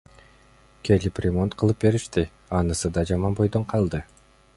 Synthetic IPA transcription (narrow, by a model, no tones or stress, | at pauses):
kʲʰe̞liprʲemo̞nt̪qʰɯlˠɯp̚be̞ɾiʃt̪i | ɑnɯsɯd̪ɑd͡ʒɑmɑnbo̞jd̪o̞ɴqʰɑlˠd̪ɯ